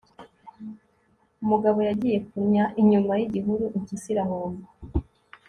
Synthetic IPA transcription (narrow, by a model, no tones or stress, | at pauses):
umuɡaβo̞jaɟije̞kuɲaʔiɲumajiɟiɦuɾuʔiɲcisiɾaɦoːmba